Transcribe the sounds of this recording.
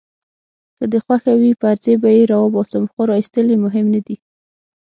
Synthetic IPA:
kəd̪əxwaxawipəaɾzebajeɾɑwɔbɑsamxoɾɑist̪əlemʊɦɪmnad̪i

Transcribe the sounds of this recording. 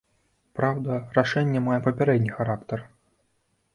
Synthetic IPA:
pɾawd̪ɐraʂɛnʲːɛmajɛpɐpʲaɾɛd̪ʲnʲixaɾakt̪ɐr

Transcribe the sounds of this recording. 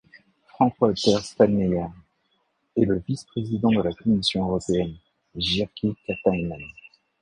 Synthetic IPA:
fχɑ̃kwat̪ɛʁst̪alːejaʁ | ɛləvispχezid̪ɑ̃d̪əlakɔmisjɔ̃øʁɔpeɛn | ʒiʁkʲikat̪ajman

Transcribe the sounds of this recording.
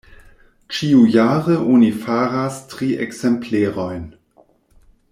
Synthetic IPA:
t͡ʃiujaːɾəʔonifaɾastʁiḛksempleːɾo̞jn

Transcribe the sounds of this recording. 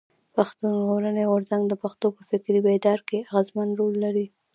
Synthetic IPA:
paxt̪unʒɣoɾəneɣʊɾzaŋɡd̪əpaxt̪opəfɪkɾibed̪ɑɾkeaɣazmanɾolːaɾi

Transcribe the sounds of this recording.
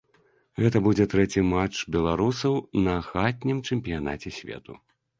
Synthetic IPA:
ɣɛt̪ɐbud͡zʲɛt̪ɾɛt͡sʲimat͡ʂbʲɛlˠaɾusɐwnɐxat̪̚ʲnʲimt͡ʂɛmʲpʲijana̰t͡sʲɛsʲvʲɛ̰t̪ṵ

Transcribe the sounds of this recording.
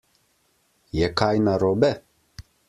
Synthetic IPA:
jɛkajnaɾɔːbɛ

